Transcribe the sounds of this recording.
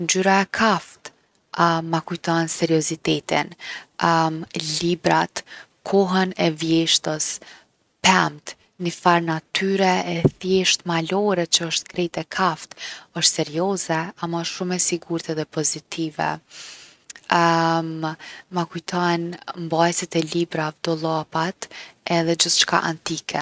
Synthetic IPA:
ɲd͡ʒyɾaɛkʰaft̪ | makujt̪ɔnsɛɾiɔzit̪ɛt̪in | libɾat̪ | kʰɔɦɛnɛvjɛʃt̪əs | pɛmt̪ | nifaɾnat̪ʰyɾɛɛθjɛʃt̪malɔɾɛt͡ʃəəʃt̪kɾɛt̪ɛkʰaft̪əʃt̪sɛɾjɔzɛamaʃʃumɛsiɡuɾt̪ɛðɛpɔzit̪ʰivɛ̰ | mmakujt̪ʰɔnmbajsit̪ɛlibɾavd̪̥ɔlˠapat̪ɛðɛd͡ʑəθt͡ʃka̰ʔa̰nt̪ikʰɛ

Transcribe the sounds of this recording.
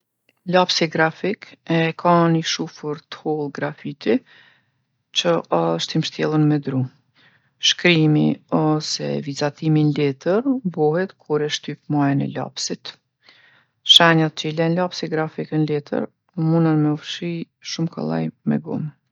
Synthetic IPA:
lapsiɡɾafikɛkʰaniʃufəɾt̪hulˠɡɾafit̪i | t͡ɕəɔʃt̪imʃt̪jɛlˠənmɛd̪ɾu | ʃkɾimḭɔsɛ̰vizat̪iminlɛt̪əɾbɔɦɛt̪kʰuɾɛʃt̪ypmajɛnɛ̰la̰psit̪ | ʃaɲat̪̚t͡ʃəilɛnlapsiɡɾafikənlɛt̪ʰə̰ɾ | əmunənmɛɔfʃi | ʃumka̰lˠa̰jmɛ̰ɡṵm

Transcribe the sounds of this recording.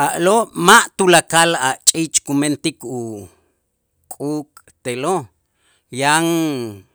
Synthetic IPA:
ʔaʔloʔmaʔt̪ulakalaʔt͡ʃʼiːt͡ʃʼkument̪iku | kʼuːkʼ | t̪elo | jaŋ

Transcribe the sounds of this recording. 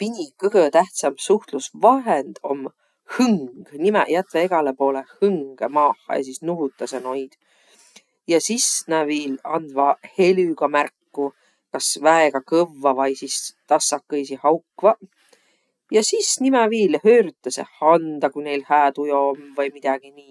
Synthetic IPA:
pinʲikɤɡ̥ət̪æht̪sɑmsuht̪lusvɑɦend̪̥o̞̰mː | hɯŋɡ̥nimɛ̰jæt̪veeɡ̥ɑlepo̞ːle̞hɯŋɡ̥emɑːhːɑ̰jɑ̰s̬isnuɦut̪ːˑɑseno̞jd̪̥ | jɑsisnæviːlɑnd̪vɑhe̞lyɡ̥ɑmærkːu | kɑsvæeɡ̥ɑkɤvːɑvɑjsist̪ɑsːɑkːɤjsihɑwkvɑ | jɑsisnimɛviːlhøːɾyt̪ːˑɑsḛhɑnd̪̥ɑkune̞jlhæːt̪ujo̞omvɤjmid̪̥ɑɡ̥iniː

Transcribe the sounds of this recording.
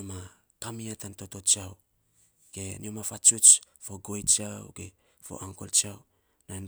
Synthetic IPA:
ma | kamiatanto̞to̞t͡ʃiaw | ɡ̥eniomafat͡ʃut͡ʃfoɡo̞jt͡ʃiawɡe | fo̰ʔaŋko̰lt͡ʃiaw | nan

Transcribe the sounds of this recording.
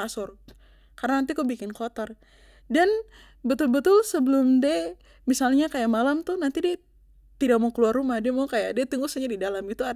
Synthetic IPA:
asʊr | karanant̪ikubikɪnkot̪ər | dan | bət̪ʊlbət̪ʊlsəbəlʊmdɛ | misalɲakajaʔmalamt̪ʊhnant̪idɛ | t̪idak̚maukəluarːumahdiamaukajaʔdiat̪iŋɡusaɲadidalamit̪ua

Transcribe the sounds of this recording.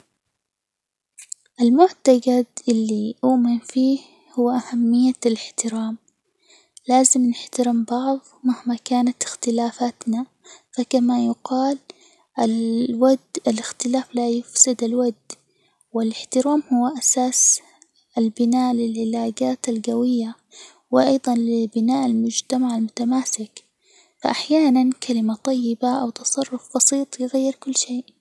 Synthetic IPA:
ʔalmʊʕt̪aɡad̪ʔɪlːiʔuːmɪnfiːh | hʊwːaʔahamːɪjːalɪħt̪ɪɾaːm | laːzɪmnɪħt̪aɾɪmbɑʕðˤmahmakaːnat̪ɪ̥xt̪ɪlaːfat̪na | fakamajʊqɑːl | ʔalwad̪alɪxt̪ɪlaːflajʊfsɪd̪alwad̪ː | wɪlɪħt̪ɪɾaːmhʊwːaʔasaːs | ʔalbɪnaːʔlɪlʕɪlaːd͡ʒaːt̪alɡawɪjːa | wɪʔɑjd̪ˤɑnlɪbɪnaːʔalmʊd͡ʒt̪amaʕalmʊt̪amaːsɪk | fa̰ʔaħjaːnankʰalɪmat̪ˤɑjːɪbaʔawt̪ɑsˤɑrˤːʊfbɑsiːt̪ˤjɪɣajːɪɾkʊlːʃeːʔ

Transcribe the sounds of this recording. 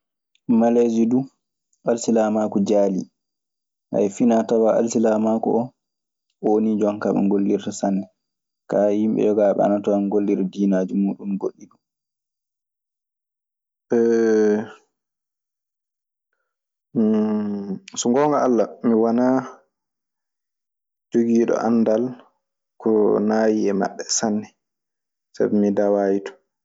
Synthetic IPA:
malezidu | ʔalsilamakud͡ʒaːlḭ | ʔa̰jfinatawaʔa̰lsilamakɔʔɔ | onid͡ʒɔnkama̰ŋɡolːiɾtasanːɛ | kahimɓɛ̰jɔɡaːɓɛ̰a̰natawaŋɡolːiɾdiːnaːd͡ʒumuːɗumɡoɗːidu | ɛ | suŋɡɔŋɡaalːamiwana | d͡ʒoɡiːɗɔ̰ʔanːdal | kɔnajiɛma̰ɓːɛsanːɛ | sa̰bɛmidawaːjitɔ̥

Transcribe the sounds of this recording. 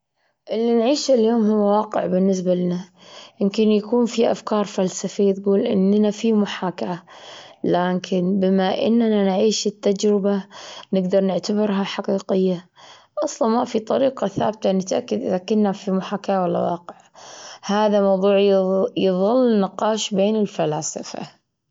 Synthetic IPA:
ʔɪlːinʕiːʃɪljoːmhʊwːawaːqɪʕbɪnːɪs̬balɪna | jɪmkɪnjakuːnfiʔa̰fkɑːɾˤfalsafijːt̪ɡuːlʔɪ̰nːnafimʊħaːkaʕalaːkʰɪnbɪmaʔɪ̰nːnanʕiːʃɪt̪ːad͡ʒɾɪbanɪɡd̪ɑɾˤnɪʕt̪abɪɾɦaħɑqiːqɪjːa | ʔɑsˤlɑnmafit̪ˤɑɾiːqɑθa̰ːb̚t̪anɪt̪ʔakːad̪ʔɪðakʊnːafimʊħaːkaʕawalːa̰wɑ̰ːqɪʕhaːðamɑwðˤuːʕjjðˤɨlːnɪqɑːʃbeːnɪlfalaːsɪ̰fa̰

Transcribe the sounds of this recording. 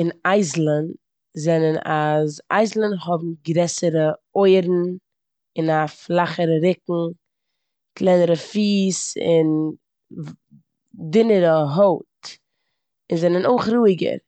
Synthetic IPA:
ɪnaɪzl̩ˠən | zɛnənaza̰ɪzl̩ˠənɦɔbm̩ɡɾɛsəɾə | oɪɾn̩ | ɪnaflˠaχəɾəɾɪkŋ̩ | klˠɛɪnəɾəfiːsɪ̰n | dɪnəɾəɦoʊt | ɪnzɛnənoɪχɾuːɪɡə̰ɾ

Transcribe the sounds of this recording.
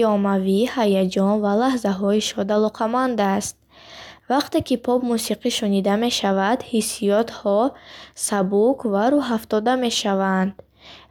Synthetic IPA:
ɔmavihajad͡ʒɔnvalahzaɦɔiʃɔd̪alɔqʰamand̪ast̪̚ | vaqt̪e̞kipʰɔbmusiqiʃunid̪ame̞ʃavad̪hisijɔt̪hɔsabukvaɾuɦaft̪ɔd̪ame̞ʃavand̪

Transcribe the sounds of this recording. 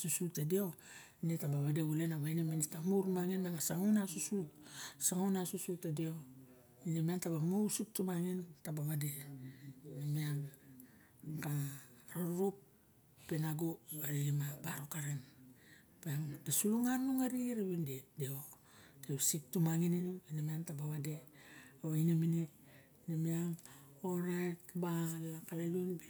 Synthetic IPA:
susutadioinitabaβadeule̞naβainiminitamuɾumaŋinaŋasaŋonasususaŋonasusutadio̞ | inimiantaβamusik̚tumaŋintabaβade̞ | amia | kaɾaɾɾupː | enaɡuaɾimabaɾokaɾen | peaŋdesuluŋanːuŋaɾiɾeβindedeo | teβsik̚tumaŋinininemiantabaβade̞aβainemine | nemiaŋoɾajtbalakalajunbe

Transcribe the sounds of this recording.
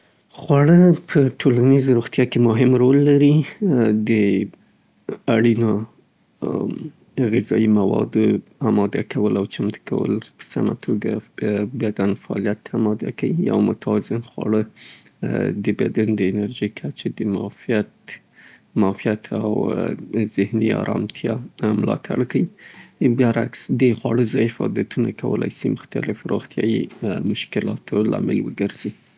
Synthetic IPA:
xwaɽəpʰəʈʰolanizɾoɣt̪jɑkemʊɦɪmɾolːaɾid̪ə | aɽino | ɣɪzɑimawɑ̰d̪oamɑd̪akʰawəlawt͡ʃamt̪kʰa̰wə̰lpə̥sa̰ma̰t̪ʰoɡa̰bad̪anfaɑ̰lijat̪ːamɑd̪akawia̰wmʊt̪ʰɑzɪnxwa̰ɽə | d̪əbad̪and̪əɪnaɾʒikʰat͡ʃed̪əmɑfat̪ | mɑfijat̪ʰaw | zɪhniɑ̰ɾɑmt̪ʰjɑmlɑt̪ʰaɽkawibjɑɾaksd̪əxwɑɽəzɑjfad̪at̪unakawəlʔajsimʊxt̪alɪfɾoɣt̪ʰjɑjimʊʃkɪlɑt̪olɑmɪlwəɡəɾz̥i

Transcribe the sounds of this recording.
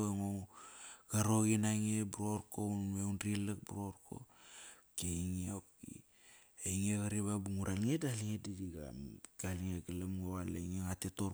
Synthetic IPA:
eŋo | ɡ̥aɾoɣinaŋebuɾoɾkounmeunɾilak̚buɾoɾko̰keiŋiopkḭ | eiŋeɣaɾiβabuŋuɾʔalŋedaliŋedidiɡa̰ɡ̥aliŋeɡalamŋowaleŋeŋateto

